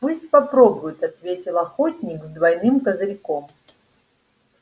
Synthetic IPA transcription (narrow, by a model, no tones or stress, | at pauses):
pusʲt̚ʲpɐpɾobʊjɪt̪ɐt̪vʲetʲɪlˠɐxotʲnʲɪkzd̪vɐjnɨmkəzɾʲɪkom